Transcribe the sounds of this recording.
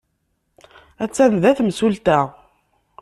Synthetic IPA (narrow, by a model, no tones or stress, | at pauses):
æt͡sːænðæθmsult̪æʁ